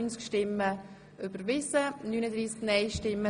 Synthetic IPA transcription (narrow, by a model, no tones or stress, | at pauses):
nt͡skʃtɪmːə | ʔʏbəɾvɪsənyːnəd̪ɾiːsknɛjʃtɪmːə